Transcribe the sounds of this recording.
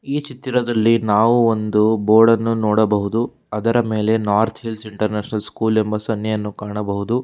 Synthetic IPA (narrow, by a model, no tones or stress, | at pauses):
iːt͡ʃit̪ɾɐd̪ɐlːinaːʋuond̪uboːɾɖɐnːunɔːɽɐbɐɦud̪u | ɐd̪ɐɾɐme̞ːle̞naːɾt̪ʰɦilsiɳʈɐɾneːʃnɐlskuːle̞mbɐsɐnjɐjɐnːukaːɳɐbɐɦud̪u